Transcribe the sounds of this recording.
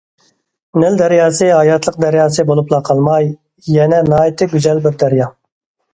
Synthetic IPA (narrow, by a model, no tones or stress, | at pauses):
nɪld̪æɾjɑːsɨɦɑjɑt̪ʰlˠəq̚d̪æɾjɑːsɨbolˠuplˠɑqʰɑlˠmɑj | jɛnɛnɑːit̪ʰɨɡʲyzɛlbɪɾd̪æɾjɑ